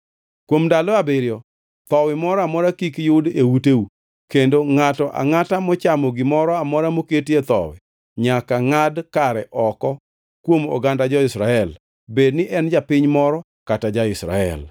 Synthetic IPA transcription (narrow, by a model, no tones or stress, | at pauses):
kwomdalɔabeɾɪjɔ | t̪ɔwɪmɔɾɔamɔɾakikjʊdewuteu | kendoŋatɔʔa̰ŋatamɔt͡ʃamɔɡɪmɔɾɔamɔɾamoketjet̪ɔ̰wɪ̰ | ɲakaŋadkaɾɛʔɔkɔ | kwomɔ̰ɡandad͡ʒɔɪsɾaɛl | bednɪʔɛnd͡ʒapɪɲmɔɾɔ | katad͡ʒaɪsɾa̰ɛ̰l